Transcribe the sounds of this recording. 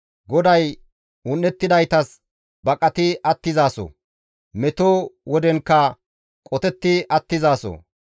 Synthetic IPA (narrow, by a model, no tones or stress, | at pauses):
ɡɔd̪ɐj | ʊnːɛt̪ːɪd̪ɐjt̪ɐs | bɐkʼɐt̪ɪʔɐt̪ːɪzaːso̰ | mɛt̪oːwɔd̪ɛŋkːɐ | kʼɔt̪ɛt̪ːɪʔɐt̪ːɪzaːso̰